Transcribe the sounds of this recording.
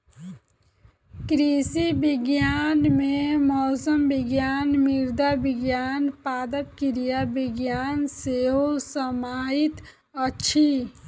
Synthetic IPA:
kɾisibɪɡjaːnmẽmɔːsəmbɪɡjaːnmɪɾd̪abɪɡjaːnpaːd̪əp̚kiɾijabɪɡjaːnseɦosəmaːɪt̪ | ətːʃʰi

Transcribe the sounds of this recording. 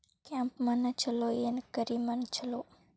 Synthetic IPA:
kɛ̃mpmənət͡ʃʰəlojenkəɾimənt͡ʃʰəloː

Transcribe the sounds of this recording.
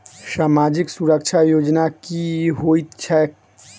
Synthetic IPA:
samad͡ʒiksuɾək̚t͡ʃʰajod͡ʒnakiɦojt̪t͡ʃʰɛ

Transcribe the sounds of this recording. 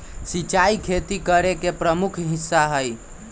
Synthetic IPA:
sit͡ʃaikʰet̪ikəɾekepɾəmukʰɦisːaɦəj

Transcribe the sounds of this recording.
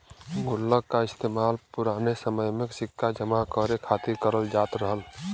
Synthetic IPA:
ɡʱulːəkːaɪst̪emalpuɾanesəməjmeksikʰːad͡ʒəmakəɾekʰat̪iɾkəɾəld͡ʒat̪ɾəɦəl

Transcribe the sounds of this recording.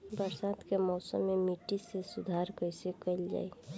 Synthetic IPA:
bəɾsad̪kemɔʊsə̰mːemiʈisesud̪ʱaɾkəjsekəɪld͡ʒa̰j

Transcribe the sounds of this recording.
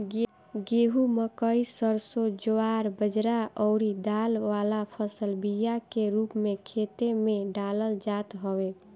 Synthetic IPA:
ɡeɦuməkəisəɾsod͡ʒoaɾbəd͡ʒɾaɔʊɾid̪alʋalapʰəsəlbijakeɾupmekʰet̪emeɖaləld͡ʒat̪ɦəwe

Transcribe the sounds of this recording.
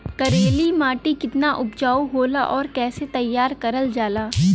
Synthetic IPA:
kɐɾeːlimaːʈikɪt̪naʔʊpd͡ʒaːuɦoːlaʔɔːɾkɛːset̪ɐjːaːɾkɐɾəld͡ʒaːlaː

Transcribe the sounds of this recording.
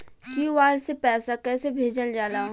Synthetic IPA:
kiʋaːɾsepɛːsakɛːsebʱeːd͡ʒəld͡ʒaːlaː

